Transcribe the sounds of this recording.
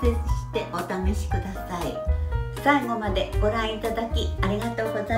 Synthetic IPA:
se̞t͡sɨɕi̥t̪e̞ʔo̞t̪aneɕi̥kɯ̟d̪asaisaiɡo̞mad̪e̞ɡ̥o̞ɾãɰ̃it̪ad̪akʲiaɾʲiɡat̪o̞ːɡo̞za

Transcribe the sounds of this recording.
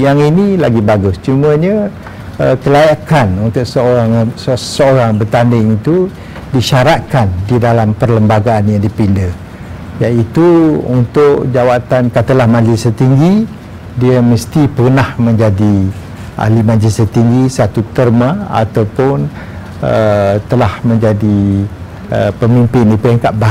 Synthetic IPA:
jaŋinĩlaɡibaɡʊst͡ʃuməɲə̃ | əkəlajakanunt̪ʊʔsəoɾaŋsəsəoɾaŋbət̪andɪŋit̪u | diʃaɾat̪̚kandidalampərləmbaɡaːnjaŋdipində | jait̪uunt̪ʊʔd͡ʒawat̪ankat̪əlahmãd͡ʒisət̪iŋɡi | diəməst̪ipərnahmə̃ɲd͡ʒadi | ʔa̰limãd͡ʒisət̪iŋɡisat̪ut̪ərmãa̰t̪awpʊn | ət̪əlahmə̃ɲd͡ʒadi | əpəmimpɪndipɾɛŋkaʔ̚ba

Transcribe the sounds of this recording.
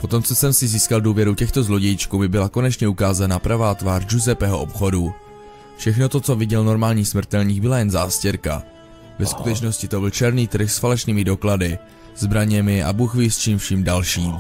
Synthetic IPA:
po̞t̪o̞mt͡so̞sɛmsɪziːskalduːvjɛɾucɛxt̪ozlo̞ɟɛjit͡ʃkubɪbɪlako̞nɛt͡ʃɲɛukaːzanapɾavaːt̪vaːrʒuzɛpɛɦoʔopxo̞du | fʃɛxno̞t̪o̞t͡so̞vɪɟɛlno̞ɾmaːlɲiːsmr̩t̪ɛlɲiːɡbɪlajɛnzaːscɛɾka̰ | vɛskut̪ɛt͡ʃno̞scɪt̪obɪlt͡ʃɛɾniːt̪r̩xsfalɛʃniːmɪdo̞kladɪ | z̥bɾaɲɛmɪʔa̰buxvist͡ʃiːmfʃimdalʃiːm

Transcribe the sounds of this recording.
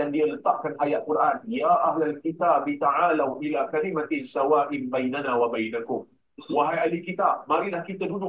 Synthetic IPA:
andialət̪aʔ̚kanʔajat̪̚kuɾʔanjaʔaɦlalkit̪aːbit̪aʕaːlawʔilakalimat̪ɪsawaːʔɪmbajnanaːwabajnakʊm | waɦajʔalikit̪ab̚maɾilahkit̪adunʊ

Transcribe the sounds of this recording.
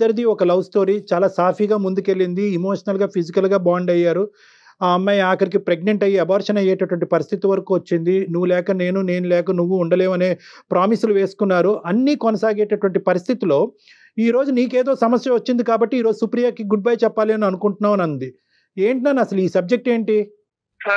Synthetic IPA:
ɐɾid̪iɔkɐlɐwsʈo̞ːɾiːt͡ʃaːlaːsaːpʰiːɡaːmund̪uke̞lːind̪iimo̞ːʂɐnɐlɡaːpʰid͡ʒikɐlɡaːbaːɳɖɐjːaːɾu | amːajaːkɐɾik̬ipɾe̞ɡneɳʈɐjiɐbaːɾʂɐnɐjɛːʈɐʈʋɐɳʈipɐɾist̪ʰit̪iʋɐɾɐkuːʋɐt͡ʃːind̪inuʋːulɛːkɐne̞ːnune̞ːnulɛːkɐnuʋːuuɳɖɐle̞ːmɐne̞ːpɾaːmisuluʋe̞ːsu̥kunːaːɾuʔɐnːiːkonɐsaːɡeːʈɐʈʋɐɳʈipɐɾist̪ʰit̪ilo̞ː | iːɾo̞ːd͡ʒuniːkeːd̪o̞ːsɐmɐsjɐʋɐt͡ʃːind̪ikaːbɐʈːiːɾo̞ːd͡ʒusupɾijaɾkiɡuɖ̚bɐːjt͡ʃɛpːaːliɐnuɐnukuɳʈunːaːʋɐnɐnd̪i | e̞ːɳʈinaːnɐsɐluiːsɐb̚d͡ʒek̚ʈe̞ːɳʈi

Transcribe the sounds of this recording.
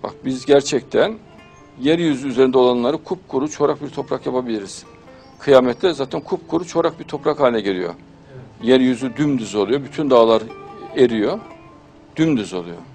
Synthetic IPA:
ba̰kbizɟæɾt͡ʃʰɛct̪ʰæn | jɛɾjyzyːze̞ɾind̪ɛo̞lˠanlˠaɾɯkʰup̚kʰuɾut͡ʃʰo̞ɾak̚biɾt̪ʰo̞pɾakjapʰabilʲiɾiz̥ | kʰɯjaːmɛt̪ʰlʲɛzaːt̪ʰɛnkʰup̚kʰuɾut͡ʃʰo̞ɾak̚biɾt̪ʰo̞pɾakhaːinʲɛɟelʲḭjo̞̰ | jɛɾjyzyd̪ymd̪yzo̞lˠujo̞byt̪ʰynd̪aːlˠaɾeɾijo | d̪̥ymd̪yzo̞̰lˠujo̰

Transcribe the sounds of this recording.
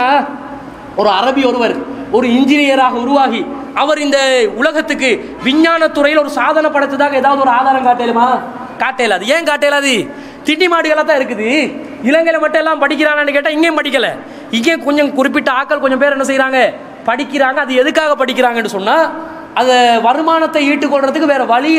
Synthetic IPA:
aː | ɔɾɯɐɾɐbiɔɾɯʋɐɾɔɾɯɪɲd͡ʒɪnɪjɐɾaːɣɐʊɾʊʋaːɣi | ɐʋɐɾɪnd̪ɐʊlɐɣɐt̪ːɯk̬ːɯ | ʋɪɲːaːnɐt̪ːʊɾɐjɪlɔɾɯsaːðɐnɐpːɐɽɐt̪ːɐðaːɣɐeːðaːʋɐðɯɔɾɯaːðaːɾɐmkaːʈːeːlɯmaː | kaːʈːeːɐlaːðɯeːŋkaːʈːeːlaːðɯ | t̪ɪɳːimaːɽɯɣɐɭaːt̪̬ːãːɪɾɯk̬ːɯðɯ | ɪlɐŋɡɐɪlɐmɐʈːɛlːaːmpɐɽɪk̬ʲːɪɾaːŋɡɐːnɖɯkeːʈːãːɪŋɡeːmpɐɽɪk̬ʲːɐlɐ | ɪŋɡeːkɔɲd͡ʒɐ̃kʊrɪp̬ːɪʈːɯaːkːɐɭkɔɲd͡ʒɔ̃mpeːɾɛnːɐs̬ɛjɪɾaːŋɡɐ | pɐɽɪkːɪɾaːŋɡɐɐðɯɛðɯkːaːɣɐpːɐɽɪkʲːɪɾaːŋɡɐɛnɖːɯsɔnːaː | ɐðɐʋɐɾɯmaːnɐt̪ːɐiːʈːɯkːɔɭɾɐðɯkːɯʋeːɾɐʋɐɭɪ

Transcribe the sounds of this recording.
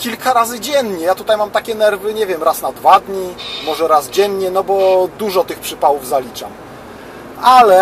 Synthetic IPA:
kʲilkʰaɾazɘd͡ʑɛɲɲɛjat̪ut̪ajmamt̪akʲɛnɛɾvɘɲɛvʲjɛmɾasnad̪vad̪ɲimɔʐɛɾazd͡ʑɛɲɲɛnɔbɔd̪uʐɔt̪ɘxpʂɘpawuvzalʲit͡ʂa̰m | ʔalɛ

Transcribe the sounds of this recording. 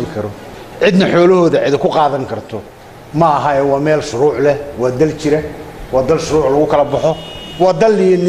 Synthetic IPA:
ɪkʰɐɾɔ | ʕɪd̪nɐħɔːlɐɦɔːðɐʕɪd̪ɐkʰʊqɑːðɐŋkʰɐrt̪ʰɔ | mɐːɦɐɛwɑːmɛːlʃʊɾuːʕlɛwɑːd̪ɐlt͡ʃɪɾɛwɑːd̪ɐlʃʊɾuːʕlɐɣʊkʰɐlɐbɐħɔwɑːd̪ɐlːɪjɐnɪ

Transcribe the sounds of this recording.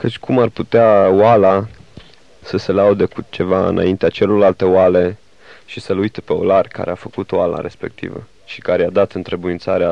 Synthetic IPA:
kət͡ʃʲkʰumarput̪eawala | səse̞laud̪ekut͡ʃe̞vaɨ̰na̰int̪eat͡ʃe̞lo̞rlalt̪e̞oale̞ | ʃisəlujt̪epe̞o̞̰larʲka̰ɾeafəkut̪oala̰ɾe̞̰spe̞̰k̚t̪ḭvə̰ | ʃi̥kaɾead̪at̪ɨnt̪ɾebuint̪saɾea

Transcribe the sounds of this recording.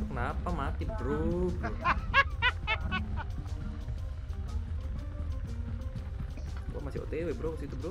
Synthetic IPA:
kənapamat̪ibɾob | wa̰masio̰t̪ewebɾoksit̪ubɾo

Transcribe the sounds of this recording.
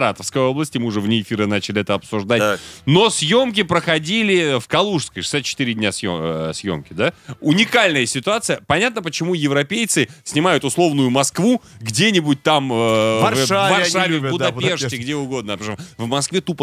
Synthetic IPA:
ɾat̪əfskəjo̞blˠəsʲtʲɪmɨʊʐɛvnʲɪɪfʲiɾɨnat͡ɕɪlʲɪɛt̪əɐpsʊʐd̪atno̞sʲjo̞mk̬ʲɪpɾəxɐdʲilʲɪfkɐlˠuʂskəjʂɨ̥sʲat̪̚t͡ɕːɪ̥t̪ɨɾʲɪdʲnʲasjo̰sʲjo̞̰mkʲɪd̪aʊnʲɪkalʲnəjəsʲɪt̪ʊat̪sɨjəpɐnʲat̪nəp̬ət͡ɕɪmujɪvɾɐpʲejt̪sɨsʲnʲɪmajʊt̪ʊslˠo̞vnʊjʊmɐskvuɡdʲenʲɪbʊt̚ʲt̪amvavɐrʂʂavʲɪvbʊd̪ɐp̪ʲeʂtʲɪɡdʲeʊɡo̞d̪nəɐpɾʂomvmɐskvʲet̪up

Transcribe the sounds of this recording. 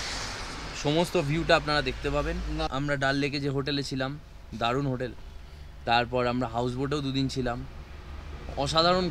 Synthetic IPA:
ʃɔmost̪obʱjuʈaapnaɾad̪ekʰt̪epabena̰mɾaɖalːek̬ed͡ʑeɦoʈelet͡ɕʰilam | d̪aɾunɦoʈel | t̪aɾpɔɾamɾaɦaws̬boɾʈeod̪ud̪int͡ɕʰilam | ɔʃad̪ʱaɾon

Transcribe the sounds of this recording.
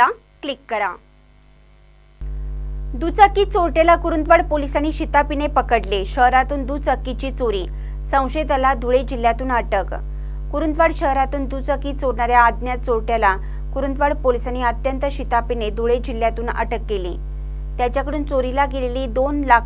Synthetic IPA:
a | klikːəɾa | d̪ut͡səkːiːt͡soɾʈjelakuɾunt̪ʋaɽpolisaniːɕit̪apinepəkəɽleɕəɦɾat̪uːnd̪uːt͡səkːit͡ɕiːt͡soɾiː | sə̃w̃ɕed̪alad̪ʱuɭed͡ʑil̤jat̪uːnəʈək | kuɾunt̪ʋaɽɕəɦɾat̪uːnd̪ut͡səkiːt͡soɾɳaɾjaːd̪njat͡soɾʈjala | kuɾunt̪ʋaɽpolisaniːət̪jənt̪əɕit̪apined̪ʱuɭed͡ʑil̤ːjat̪uːnə̰ʈəkːelḭː | t̪jat͡ɕjakəɽuːnt͡soɾilakeleliːd̪onlakʰ

